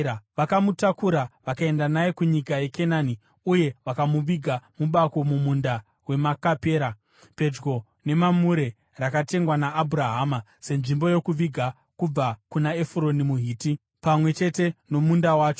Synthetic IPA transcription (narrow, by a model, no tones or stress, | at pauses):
ʋakamutakuɾaʋakae̞ndanajekuɲikaje̞ke̞naːni | uje̞ʋakamuʋiɡʱamuɓako̞mumunda | we̞makape̞ːɾa | pe̞d͡ʒɡo̞ | ne̞mamuɾe̞ | rakate̞ŋɡwanaːbʱuɾaɦaːma | se̞nʐimbo̞jo̞kuʋiɡʱa | kub͡vakunaefɾo̞nimuɦiːti | pamwe̞t͡ʃe̞te̞no̞mundawaːt͡ʃo